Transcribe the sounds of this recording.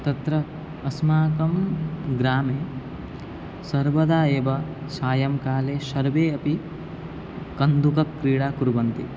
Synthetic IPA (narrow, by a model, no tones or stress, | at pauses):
t̪ɐt̪ɾɐ | ɐsmaːkɐmɡɾaːmeː | sɐɾʋɐd̪aːeːʋɐsaːjɐmkaːleːʃɐɾʋeːɐpi | kɐnd̪ukɐkːɾiːɽaːkuɾʋɐnt̪ḭ